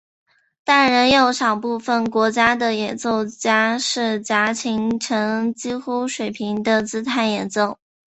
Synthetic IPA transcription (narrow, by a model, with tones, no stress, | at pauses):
t̪a˥˩nɻə˧˥njo˧˥ʊʂɑ˨˩ʊpu˥˩fə˨˩nkwɔ˧˥t͡ɕja˥d̪ə˨jɛ˨˩nt͡so˥˧ʊt͡ɕja˥ʂɻ̩˥˩t͡ɕja˧˥t͡ɕʰi˧˥ŋʈ͡ʂʰɤ˧˥ŋt͡ɕi˥xu˥ʂwe˨˩ɪpʰi˧˥ŋd̪ə˧t͡sɹ̩˥t̪ʰa˧˥ɪnjɛ˨˩nt͡so˥˩ʊ